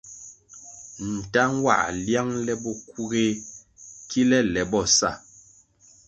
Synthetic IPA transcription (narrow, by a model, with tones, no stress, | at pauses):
n̩˨ta˦ŋ˦wa̰˦˨lja˦ŋlɛ˦bɔ˦˨ku˦ɣe˦ | ki˦lɛ˦lɛ˨bɔ˦˨sa̰˦˨